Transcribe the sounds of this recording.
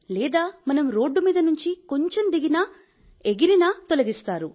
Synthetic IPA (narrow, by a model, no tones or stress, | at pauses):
lɛːd̪aːmɐnɐmɾo̞ːɖːumiːd̪ɐnuɲt͡ʃiko̞ɲt͡ʃemd̪iɡinɐ | eɡiɾinɐt̪olɐɡist̪aːɾu